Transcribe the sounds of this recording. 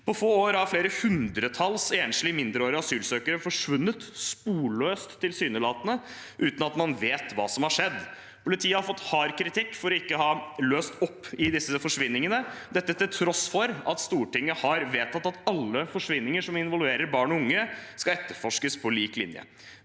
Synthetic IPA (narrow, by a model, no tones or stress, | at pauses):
pʰɔfoːoːɾəæɾfleːɾəhʉnd̪ɾət̪ʰɑlseːnʂlɪmɪnd̪ɾəoːɾəɾɑsyːlsøːkəɾəfɔʂʋʉnːət̪spuːɭøːst̪ʰːɪlsyːnəlɑːt̪ənə | ʔʉːt̪n̩ɑt̪mɑnʋeːt̪ʋɑ̰ːsɔmhɑʂɛd̪ː | pʰʊlɪt̪ʰiːəhɑɾfɔt̪ːhɑɾkʰɾɪt̪ʰɪkːfɔɾɔɪkːəɦɑløːst̪ɔpːɪd̪ɪsːəfɔʂʋɪnːɪŋənəd̪ɛt̪ːət̪ːɪlt̪ʰɾɔsfɔɾɑt̪st̪uːʈɪŋːəhɑɾʋeːt̪ʰɑt̪ːɑt̪ɑlːəfɔʂʋɪnːɪŋəʂɔmɪnʋɔlʋeːɾəɾbɑːɳɔʊŋːəskɑɛt̪ːəɾfɔʂkəspʰɔliːklɪ̰njə̰